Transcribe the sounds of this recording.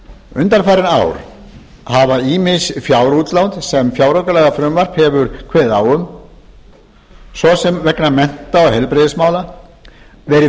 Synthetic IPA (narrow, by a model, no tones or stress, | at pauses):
ʏ̰nt̪aɾfaːjɾɪna̰ːwɾ | havaiːmɪsfjawɾuːt̪lawnt̪sɛmfjawɾawkalɛɣafɾʏmvar̥phɛvʏɾkʰvɛːðaːwʏm | svɔsɛmvɛknamɛn̥t̪aɔɣhɛlpɾɛðɪsmaːwla | vɛɾɪ